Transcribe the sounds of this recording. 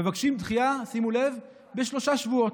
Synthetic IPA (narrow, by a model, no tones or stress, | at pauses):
mevakʃimt̪χiasimule̞v | beʃlo̞ʃaʃvuo̞t